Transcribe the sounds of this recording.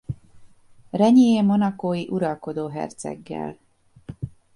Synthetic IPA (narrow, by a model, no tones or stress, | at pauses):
rɛɲijeːmo̞nɒkoːjiʔuɾɒlko̞d̪oːɦɛ̰rt̪sɛ̰ɡːɛ̰l